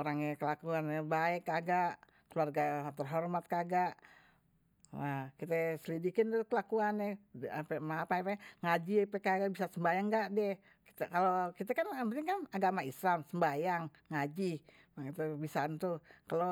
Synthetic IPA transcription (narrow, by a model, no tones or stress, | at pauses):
oɾaŋjakəlakuanɛbaɛkaɡaʔ | kəluarɡat̪ərɦormat̪̚kaɡaʔ | akit̪ɛsəlidikɪndukəlakuanɛapemaːpaapɛŋad͡ʒipɛkaɡaʔbisasəmbajaŋɡaʔdɛ | ki̥t̪ɛkalokit̪ɛkanamət̪iŋkanaɡamaislamsəmbajaŋːad͡ʒi | mait̪ɛbisant̪ukalo